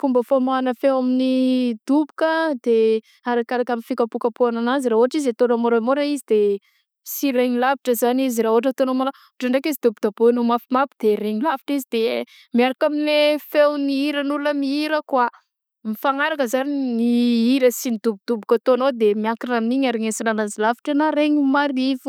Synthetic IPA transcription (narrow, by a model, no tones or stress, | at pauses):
fumbəfomaanəfewaminid̪̥ubu̥kəd̪̥e | aɾakaɾakaminfikapukapuananaziɾaːoaʈ͡ʂizet̪onamoɾamoɾaizid̪e | siɾeɲilaviʈ͡ʂəzaniziɾaɦoaʈ͡ʂət̪onomala | oʈ͡ʂaɳɖ͡ʐekizid̪ubud̪abunomafimapid̪̥eɾeɲilavi̥ʈ͡ʂizid̪̥e | miaɾakaminlefewniiɾənuləmiiɾəkwa | mifaŋaɾakəzaniniiɾəsinid̪ubud̪̥ubukət̪onod̪emiakiɾaminiɲaɾiɲesinanazilavi̥ʈ͡ʂanaɾeɲimaɾifu̥